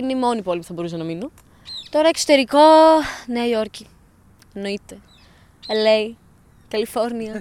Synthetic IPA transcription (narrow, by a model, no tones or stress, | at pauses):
ineimo̞nipo̞limu̥θɐbo̞ɾus̬enɐminu | t̪o̞ɾɐekso̞t̪e̞ɾiko̞nejoɾci | eno̞it̪e | elei | kɐlifo̞ɾniɐ